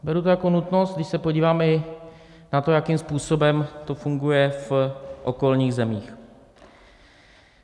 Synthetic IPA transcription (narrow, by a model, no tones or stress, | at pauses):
bɛɾut̪ojako̞nut̪no̞st̪ɡdɪʃsɛpoɟiːvaːmɛɪ | nat̪o̞jakimspuːso̞bɛmt̪o̞fuŋɡujɛfʔo̞ko̞lɲiːɣzɛmiːx